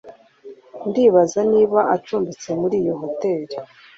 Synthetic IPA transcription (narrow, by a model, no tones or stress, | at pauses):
ndiːβazaniːβaʔat͡ʃuːmbit͡se̞muɾiːjoɦo̞te̞ːɾi